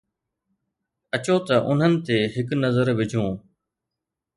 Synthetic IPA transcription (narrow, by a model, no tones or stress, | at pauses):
ɐt͡ɕoːt̪ɐʔʊ̰n̤ənɪ̆t̪eːɦɪknəzəɾʋɪd͡ʑʱõː